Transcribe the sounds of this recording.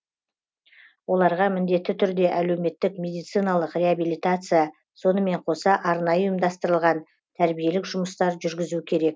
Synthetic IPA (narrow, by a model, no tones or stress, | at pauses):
wo̞lˠɑɾʁɑmɪnd̪e̞t̪ːɪt̪ʰʏɾd̪e̞ʔæle̞wme̞t̪ːɪkmʲe̞d̪ijt̪sɨjnalˠəqrʲe̞abilʲijt̪at̪sɨja | so̞nəme̞ɴqʰo̞sɑʔɑɾnɑjəujəmd̪ɑst̪əɾəlˠʁɑn | t̪ʰæɾbije̞lɪkʒʊməst̪ɑɾʒʏɾɡʲɪzukʲʰe̞ɾe̞k̚